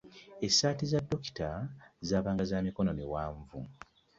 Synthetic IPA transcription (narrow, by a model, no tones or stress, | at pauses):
esaːtizadːo̞ki̥tazaːβaːŋɡazaːmiko̞no̞miwaːɱvṵ